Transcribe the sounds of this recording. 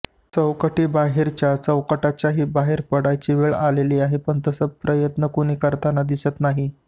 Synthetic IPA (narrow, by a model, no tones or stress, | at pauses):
t͡səwkəʈiːbaɦeɾt͡ɕjat͡səwkəʈat͡ɕjaɦiːbaɦeɾpəɽajt͡ɕiːʋeɭaleliːaɦepəɳt̪əsəpɾʔəjət̪nəkoɽ̃iːkəɾt̪anad̪isət̪naɦi